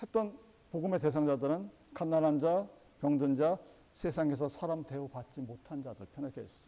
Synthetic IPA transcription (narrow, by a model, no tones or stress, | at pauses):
he̞t͈ʌn | poɡɯme̞te̞sʰaŋd͡ʑadɯɾɯn | kanːanɦand͡ʑa | kjʌŋdɯnd͡ʑa | sʰesʰaŋe̞sʰʌsʰaɾamte̞opat̚t͡ɕ͈imotʰand͡ʑadɯɭpʰjʌnekʰeʌs͈ʌ̥